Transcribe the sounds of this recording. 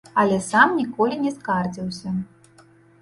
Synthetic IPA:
ɐlʲɛsamnʲikɔlʲinʲɛskard͡zʲiwsʲɐ

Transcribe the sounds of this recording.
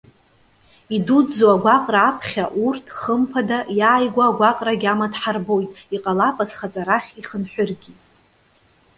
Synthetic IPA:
idudd͡zoaɡʷaqʼraːpʰχʲaʔurtʰχəmpʰadajaːjɡʷaːɡʷaqʼraɡʲamadħarbo̞jtʼiqʼalapʼazχat͡sʼaɾaχʲiχənħʷᶣʊrɡʲitʼ

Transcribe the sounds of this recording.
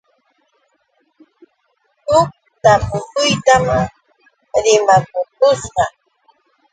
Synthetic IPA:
hʊk̚t̪amʊkʊjt̪am | ɾɪmakʊk̚ʊsɢɑ

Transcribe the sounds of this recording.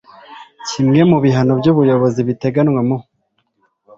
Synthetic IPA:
cimŋe̞muβiɦano̞bɟuβujo̞βo̞ziβite̞ɡanŋwamu

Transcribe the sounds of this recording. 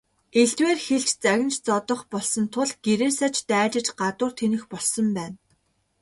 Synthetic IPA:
eɮt̪weːrxeɬt͡ɕt͡sæɣʲɪ̆nt͡ɕt͡sɔt̪ɞ̆χpɔɮsɞ̆nt̪ʰʊɮɡ̥eɾeːsat͡ɕt̪æːt͡ɕɪ̆t͡ɕɢat̪ʊːrt̪ʰenɘ̆xpɔɮsɞ̆mpæːn

